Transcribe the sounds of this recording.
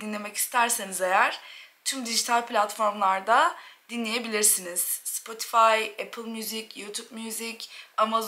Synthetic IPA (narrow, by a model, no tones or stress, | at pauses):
d̪inlʲe̞mɛci̥st̪ʰæɾsenizejæɾ̥t̪ʰymd̪iʒit̪ʰalʲpʰlʲat̪fo̞ɾmlˠaɾd̪ad̪̥inlʲeje̞bilʲiɾsiniz̥spʰo̞t̪ʰi̥fajepʰɯlˠmjyzicjut̪ʰubmjyzicamaz